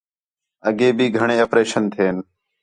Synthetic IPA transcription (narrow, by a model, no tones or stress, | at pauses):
əɡeːbʱiːɡʱəɳeːəpɾeːʃənt̪ʰeːn